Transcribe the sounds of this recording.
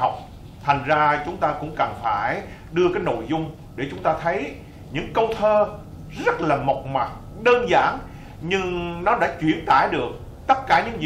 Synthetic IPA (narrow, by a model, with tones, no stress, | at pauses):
a˨˩wk͡p̚ | t̪ʰa˨˩jŋ̟zaː˧t͡ɕʊ˨˦ŋ͡mt̪aː˧kʊ̰˧˥ŋ͡mkə˨˩nfaː˧˩j | ɗɨ˧əkaː˨˦jno̰˧˨jzʊ˧ŋ͡m | ɗe˧˩t͡ɕʊ˨˦ŋ͡mt̪aː˧t̪ʰə˨˦j | ɲɨ̰˧˥ŋkə˧wt̪ʰəː˧ | zə˦˥t̚laː˨˩mə˨˩k͡p̚ma˨˩t̚ | ɗəː˧nza̰ː˧˩n | ɲɨ˧ŋnɔ˨˦ɗa̰ː˧˥t͡ɕwi˧˩ənt̪aː˧˩jɗɨ˨˩ək̚ | t̪ə˦˥t̚kaː˧˩ɲɨ̰˧˥ŋzi˧˨